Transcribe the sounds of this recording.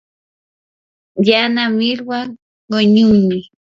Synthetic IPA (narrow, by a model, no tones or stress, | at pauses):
janamiɾwa | ɢoɲuni